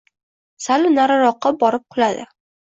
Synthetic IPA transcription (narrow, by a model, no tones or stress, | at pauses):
salɪnaɾaɾɒqːɑbɒɾɪp̚qʰʊlad̪ɪ̰